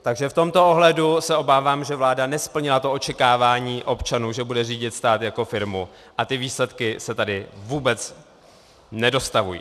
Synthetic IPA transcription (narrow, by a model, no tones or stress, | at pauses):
t̪aɡʒɛft̪o̞mt̪o̞ʔo̞ɦlɛdusɛo̞baːvaːmʒɛvlaːdanɛspl̩ɲɪlat̪oʔot͡ʃɛkaːvaːɲiːʔo̞pt͡ʃanuːʒɛbudɛriːɟɪt̪st̪aːt̪jako̞fɪɾmu | ʔat̪ɪviːslɛt̪kɪsɛt̪adɪvuːbɛt͡s | nɛdo̞st̪avṵjḭː